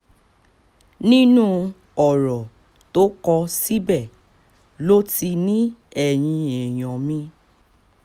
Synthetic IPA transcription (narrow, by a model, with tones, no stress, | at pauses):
nĩ˦nũ˦ | ɔ˨ɾɔ˨ | to˦kɔ˧si˦bɛ˦˨ | lo˦ti˧nĩ˦ɛ˨j̃ĩ˧ɛ˨j̃ɔ̃˨mĩ˧